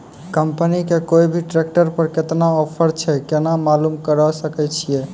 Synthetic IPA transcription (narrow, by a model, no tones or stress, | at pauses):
kəmpənikekoibʱiʈɾek̚ʈəɾpəɾket̪naɔpʰəɾt͡ʃʰɛkenamalumkəɾəsəkɛt͡ʃʰije